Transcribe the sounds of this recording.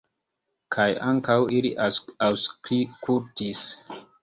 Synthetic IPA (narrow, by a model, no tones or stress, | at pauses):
kʰajaŋkawiliawskɾikʰultis